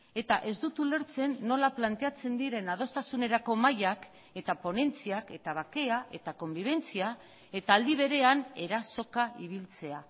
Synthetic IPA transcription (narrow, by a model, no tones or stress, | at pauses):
e̞t̪aʔe̞zd̪ut̪ule̞ɾt͡se̞nːo̞laplant̪e̞at͡se̞nd̪iɾe̞nað̞o̞st̪asune̞ɾako̞majak | e̞t̪apo̞ne̞nt͡siake̞t̪aβ̞ake̞aʔe̞t̪ako̞mbiβ̞e̞nt͡sia | e̞t̪aːld̪iβ̞e̞ɾe̞ane̞ɾaso̞kaiβ̞ilt͡se̞a